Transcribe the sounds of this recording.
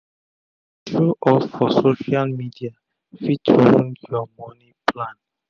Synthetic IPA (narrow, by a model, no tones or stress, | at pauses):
tɹuʔɔffɔsoʃalmidia | fitʰõnjɔmɔnĩplãn